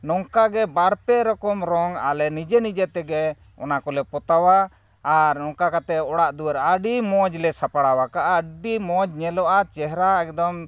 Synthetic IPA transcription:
nɔŋkaɡɛbaɾpɛɾɔkɔmɾɔŋa̰lɛnid͡ʒɛnid͡ʒɛt̪ɛɡɛ | ɔ̰nakɔlɛpɔt̪awaː | ɾnɔŋkakat̪ɛɔɽaʔd̪uwəɾəɖimɔd͡ʒlɛsapaɽawakaʔaɖimɔd͡ʒɲɛlɔʔat͡ʃɛɦɾaɛkd̪ɔm

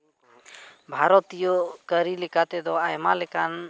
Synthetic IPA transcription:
bʱaɾɔt̪ijɔkəɾilɛkat̪ɛd̪ɔajmalɛkan

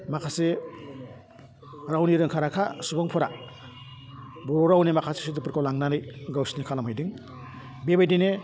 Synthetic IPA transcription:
makʰase | ɾawniɾɯŋkʰaɾakʰasubɔŋpʰɔɾa | buɾoɾawnemakʰasi̥sidupɯɾkʰawlaŋnanɯjɡawsinikʰalamhajdiŋ | bebajdine

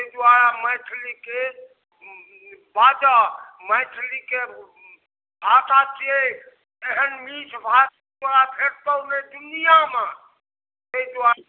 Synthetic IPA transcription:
eɦid̪aɾaməʈʰlike | bad͡ʒaməjʈʰlike | bʱat̪ʰat͡ʃie | eɦənmit͡ʃʰbʱa | d̪aɾabʰʱeɾt̪əwned̪unijame | t̪eid̪a

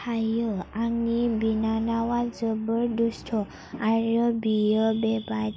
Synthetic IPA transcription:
ajəaŋibinanaʋad͡zəbəɾd̪usʈʰɔ | aɾjɔbijəbɛba

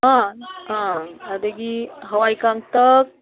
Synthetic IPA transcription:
ɦãɦãad̪eɡiɦəʋajkaŋt̪ək̚

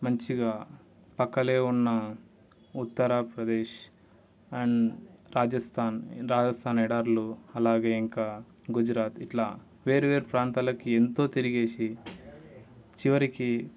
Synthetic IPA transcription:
mɐɲt͡ʃiɡaː | pɐkːɐle̞ːunːɐ | ut̪ːɐɾaːpɾɐd̪eːʃ | ɐɳɾaːd͡ʒɐst̪ʰaːnɾaːd͡ʒɐst̪ʰaːnɛɽaːɾluɐlaːɡeːiŋkaː | ɡud͡ʒɾaːt̪iʈlaː | ʋe̞ːɾuʋe̞ːɾupɾaːnt̪aːlɐkient̪o̞ːt̪iɾiɡeːsi | t͡ʃiʋɐɾiki

